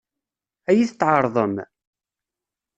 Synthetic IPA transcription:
æjiθət̪ːʕɑɾˤðˤəm

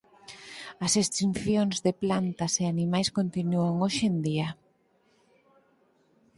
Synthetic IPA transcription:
ɐsest̪inθjoŋzðeplant̪ɐseanimajskont̪inuaŋoʃend̪iɐ

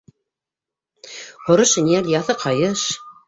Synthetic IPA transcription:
hŏɾɤʃnʲiælʲjɑθɤqʰɑjɤʃ

